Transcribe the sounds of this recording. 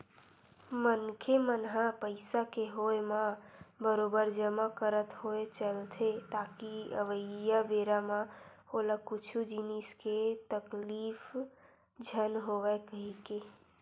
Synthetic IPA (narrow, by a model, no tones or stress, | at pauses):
mənkʰemənɦãpəɪsakeɦoemabəɾobəɾd͡ʒəmakəɾət̪ɦoet͡ʃəlt̪ʰet̪akiə̰ʋəːəbeɾamaoləkut͡ʃʰud͡ʒinisket̪əklifʰ | d͡ʒʱənɦoʋɛkəɦike